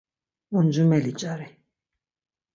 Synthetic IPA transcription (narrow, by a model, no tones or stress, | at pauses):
und͡ʒumɛlit͡ʃʼaɾi